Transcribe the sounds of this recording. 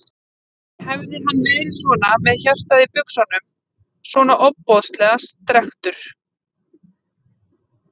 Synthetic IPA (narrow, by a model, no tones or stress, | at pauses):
hɛvðɪɦanːvɛːðɾɪsvɔːnamɛðçar̥t̪aðɪpʏksanːʏm | svɔːnaʔɔpːɔðst̪lɛːɣast̪ɾɛxt̪ʏɾ̥